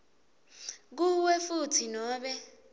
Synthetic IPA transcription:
k̬uwɛfutʰinɔːɓɛ

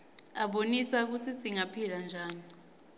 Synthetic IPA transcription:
aɓonisak̬ut͡sʰiziŋapʰiland͡ʒʱaːni

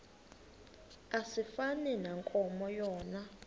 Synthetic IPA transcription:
asifanɛnaŋkʼɔmɔjɔːna

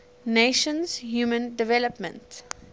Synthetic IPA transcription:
neːʃə̃nzhjuːmə̃nɖɪʋɛləpmə̰̃nʈ

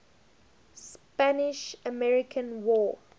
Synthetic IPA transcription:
spænɪʃəmɛɹɪkʰə̃nwɔː

